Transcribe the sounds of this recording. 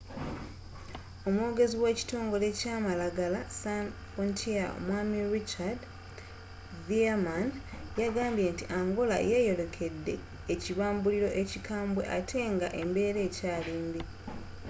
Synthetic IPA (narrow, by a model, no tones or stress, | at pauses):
o̞mwo̞ːɡe̞ziwe̞ːci̥to̞ːŋɡo̞le̞caːmalaɡalasanfontʰia̰mwaːmiɾit͡ʃad | viaman | jaɡaːmbje̞ntiʔaŋɡo̞la̰je̞ːjo̞lo̞kʰe̞dːe̞̰ː | ciβaːmbuliɾo̞ʔe̞cikʰaːmbwe̞̰ʔatʰe̞ːŋɡaʔe̞mbe̞ːɾe̞ːcaːleːmbi